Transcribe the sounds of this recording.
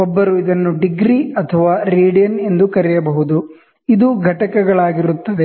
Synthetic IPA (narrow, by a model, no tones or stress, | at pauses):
ɔbːɐɾuid̪ɐnːuɖiɡɾiɐt̪ʰɐʋaːɾiːɖijɐne̞nd̪ukɐɾɛjɐbɐɦud̪u | id̪uɡʱɐʈɐkɛɡɐɭaːɡiɾut̪ːɐd̪e